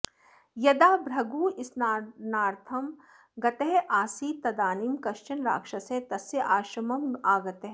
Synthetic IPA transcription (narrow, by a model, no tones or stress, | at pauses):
jɐd̪aːbɾɐɡuːɪsnnaːɾt̪ʰɐm | ɡɐt̪eɦʔaːsiːt̪ɐd̪aːnimkɐʃt͡ʃɐnɾa̰ːkʂɐset̪ɐsɐʔaːʃɾɐmɐmaːɡɐt̪eɦ